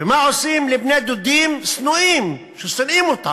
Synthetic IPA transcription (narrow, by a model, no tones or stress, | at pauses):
imaʕʊsiːmlɪbneːd̪ud̪iːmsnuʔiːm | ʃusɨnʔiːmʊt̪ˤːɑ